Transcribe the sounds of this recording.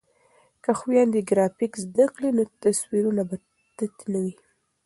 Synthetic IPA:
kaxwjɑnd̪iɡɾɑfikzd̪aklinot̪aswiɾunaba | t̪at̪nawi

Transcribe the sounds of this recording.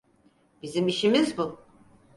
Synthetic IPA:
b̥izimiʃimizbu

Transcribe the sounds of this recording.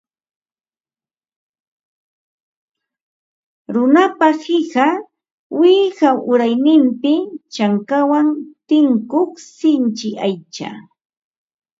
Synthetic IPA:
ɾʊnapahɪɢa | wɪhaʔʊɾajnɪmpɪt͡ʃaŋkawant̪ɪŋkoχsɪnt͡ʃɪʔajt͡ʃa̰

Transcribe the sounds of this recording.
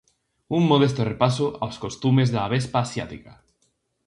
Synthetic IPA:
umːoð̞es̬t̪orepasoʔa̰wskost̪umezðeaβ̞espaːsja̰t̪ika

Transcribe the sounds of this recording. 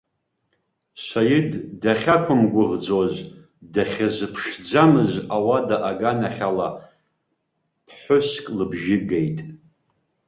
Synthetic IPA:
sajɪdːaχʲakʷʰʊmɡʷʊʁd͡zoz | daχʲazɨpʰʂd͡zamɨzawadaʔaɡanaχʲala | pʰħʷʊskʼlɨbʒɪɡejtʼ

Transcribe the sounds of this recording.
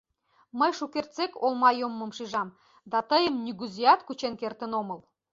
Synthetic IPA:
məjʃukert̪t͡sekolmɑjomːə̆mʃiʒɑm | d̪ɑt̪əjəmnyɣyzijɑt̪kut͡ɕenkert̪ə̆noməl

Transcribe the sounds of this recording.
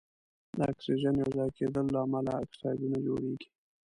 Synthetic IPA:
d̪əa̰ksiʒanjawzɑjked̪əlːaːmalaa̰k̪̚sɑjd̪unad͡ʒo̰ɽeɡi̥

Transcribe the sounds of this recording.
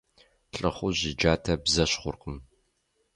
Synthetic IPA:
ɬʼɨχʷʊʑɪd͡ʒaːtʰɐbzɐɕχʷʊrqəm

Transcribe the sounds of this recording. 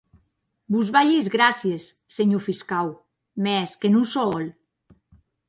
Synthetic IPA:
buzβaʎizɣɾasjesːeɲufiskaw | mɛskenusɔɔl

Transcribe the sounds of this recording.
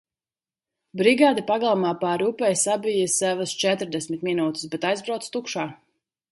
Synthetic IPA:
bɾiɡaːd̪ipaɡalˠamaːpaɾupɛjsabijɐsɛvɐst͡ʃɛt̪ɾd̪ɛsʲmit̪minuːt̪i̥sbɛt̪ajzbɾawt̪st̪ukʃaː

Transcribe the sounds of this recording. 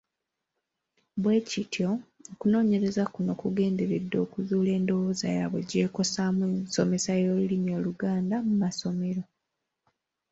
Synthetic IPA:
βwe̞ːcitʰjo̞ːkuno̞ːɲe̞ɾe̞zakuno̞kuɡe̞ːnde̞ɾedːoːkuzuːle̞ːndo̞wo̞ːza̰ja̰βwḛɟe̞ːko̞samweso̞me̞sajoːlulimjo̞ːluɡaːndamumaso̞me̞ɾo̞

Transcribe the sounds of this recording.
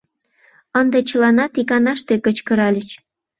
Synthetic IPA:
ənd̪et͡ɕəlɑnɑt̪ikɑnɑʃt̪ekət͡ɕkə̆ɾɑlʲət͡ɕ

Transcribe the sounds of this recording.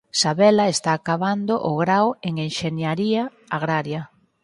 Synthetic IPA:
saβɛlaest̪aːkaβand̪oʔʊɣɾaweŋeŋʃenjaɾia | aɣɾaɾjɐ

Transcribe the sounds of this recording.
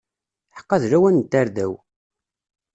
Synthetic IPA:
ħə̥qːɑðɾæwænt̪ːæɾðæw

